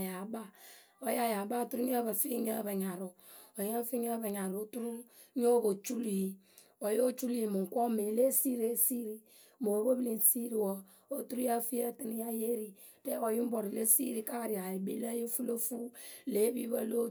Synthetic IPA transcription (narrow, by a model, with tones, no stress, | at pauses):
ja˨ba˦ | o˦ja˦ja˨ba˦˨tu˦ɾu˦ɲ˦a˦ba˨fi˦ɲa˦ba˨ɲa˨ɾo˨o˨ja˦fi˦ɲa˦ba˨ɲa˨ɾo˨tu˦ɾu˦ | ɲ˦o˦bo˨t͡ʃu˦li˨ji˨ | o˨jo˦t͡ʃu˦li˦ji˨mu˨ŋ˨ko˦me˨le˦si˦ɾe˦si˦ɾi˦ | mo˨˦bo˦bi˦li˦n˨si˦ɾi˨wɔ˦ | o˨tu˦ɾu˦a˦fi˦ja˦˨ti˦ni˦ja˦je˦ɾi˨ | te˦o˨ji˦m̩˦bo˨ɾi˨le˦sḭ˦ɾi˦ka˦˨ɾi˨ja˨i˨bḛ˨˦la˦ji˦fu˦lo˦fu˦le˨˦bi˦ba˦lo˦